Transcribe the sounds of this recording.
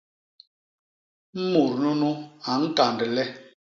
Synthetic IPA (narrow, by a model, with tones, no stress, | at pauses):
m̩˦mu˨ɾnu˦nu˦a˨ŋ̩˦ka˨ndə˨lɛ˦